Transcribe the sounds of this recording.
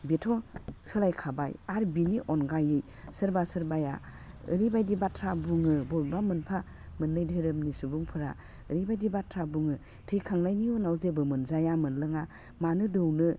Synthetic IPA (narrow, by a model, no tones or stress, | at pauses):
betʰɔsɯlajkʰaba̰jaɾbiniʔɔnɡajɯj | sɯɾbasɯɾbaja̰ | ɯɾibajdibatʰɾabuŋɯbɔɾbamɯnpʰa | mɯnlɯjdɯɾɯmnisubuŋpʰɯɾa̰ | ɯɾibajdibatʰɾabuŋɯ | tʰɯjkʰaŋlajniɔnawzebɯmɯnzajamɯnlɯŋa | manɯdɯwnɯ